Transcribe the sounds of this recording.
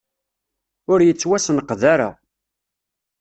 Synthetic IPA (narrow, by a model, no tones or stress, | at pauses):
ʊɾjət͡sːwæsnəqːðæɾa̰